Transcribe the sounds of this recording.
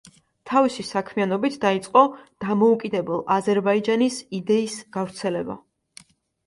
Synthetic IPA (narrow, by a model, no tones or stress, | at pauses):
t̪ʰavisisakʰmianɔbit̪ʰd̪ait̪sʼqʼɔd̪̥amɔukʼid̪ɛbɛlˠazɛɾbaid͡ʒanisid̪ɛisɡ̥avɾt̪sʰɛlɛba̰